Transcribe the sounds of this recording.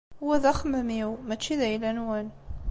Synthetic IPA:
wæðæχəməmiwmæt͡ʃːiðæjlænwæn

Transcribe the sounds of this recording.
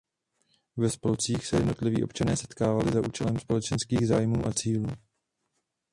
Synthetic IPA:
vɛspolt͡siːxsɛjɛdno̞t̪lɪvḭːʔo̞pt͡ʃanɛːsɛ̥t̪kaːvalɪzaʔṵːt͡ʃɛlɛmspo̞lɛt͡ʃɛnskiːɣzaːjmuːʔat͡siːluː

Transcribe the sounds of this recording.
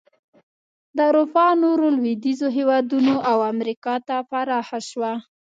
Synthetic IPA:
d̪əɾofɑnoɾolwid̪izoɦewɑd̪unoʔawamɾikɑt̪apaɾɑxaʃwa

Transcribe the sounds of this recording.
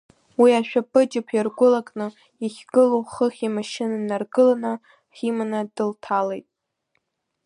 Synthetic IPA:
wiaʃᶣapʼɨd͡ʒɪpʰjarɡʷʊlakʼnɨ | iχʲɡɨloχəχʲimaʃɪnanarɡɨlana | χʲimanadɨltʰale̞̰jtʼ

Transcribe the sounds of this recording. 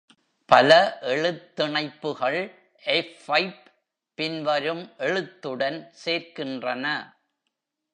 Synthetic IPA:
pɐlɐʔɛɭɯt̪ːɪɳɐɪpːɯɣɐɭ | ʔɛfːɐɪpː | ɪnʋɐɾɯmʔɛɻɯt̪ːɯɽɐnseːɾkɪndrɐnɐ

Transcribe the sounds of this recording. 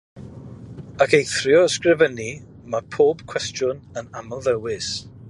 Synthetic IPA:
akʰejθrjɔəskrɪvəni | mapʰoːb̥kʰw̥ɛstjʊnənaməlˠðəwɪs

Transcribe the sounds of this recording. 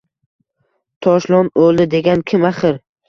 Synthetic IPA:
t̪ʰɒʃlˠɒnolˠd̪ɪd̪e̞ɡʲankʲʰɪmaχɨɾ

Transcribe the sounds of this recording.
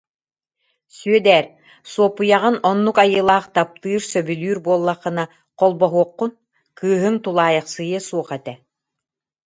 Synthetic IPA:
syœd̪ɛːɾ | suɔpujaʁɯnɔnːukajɯːlˠaːχt̪ap̚t̪ɯːɾsœbylyːɾbuɔlˠːaχɯna | qɔlˠbɔɦuɔqːun | kɯːɦɯŋt̪ulˠaːjɑχsɯjɯsuɔχɛt̪ɛ

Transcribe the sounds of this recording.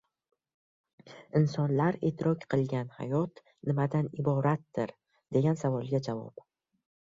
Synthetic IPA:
ɪnsɒnlaɾet̪ʰɪɾɒkʲqʰɨlˠɡʲanha̰jɒt̪ | nɪmad̪anɪbɒɾat̪̚d̪ɪɾ | d̪̥e̞ɡʲansavɒlˠɡʲad͡ʒavɒ̰p

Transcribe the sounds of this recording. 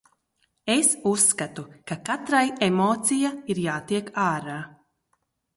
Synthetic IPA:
esusːkat̪ukakat̪ɾajemɔːt̪sijaiɾjaːt̪iɛkaːɾaː

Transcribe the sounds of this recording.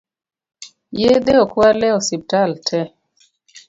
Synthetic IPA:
jed̪eɔkwalɛɔsip̚taltʰɛ

